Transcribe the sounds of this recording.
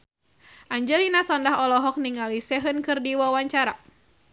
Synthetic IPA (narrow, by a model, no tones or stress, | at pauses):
ʔaɲd͡ʒɛlinasɔndaɦɔlɔɦɔk̚niŋalisɛɦənkɨrdiwawaɲt͡ʃaɾa